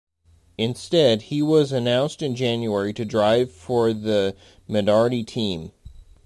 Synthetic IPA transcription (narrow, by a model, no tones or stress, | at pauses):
ɨ̃nstɛd̚iwʌzɨnãʊ̃nstɨ̃nd͡ʒæ̃njʉɛɹiɾɨdɹaɪv̥fə˞ðɨ | mɨnɑɹɨɾitʰĩm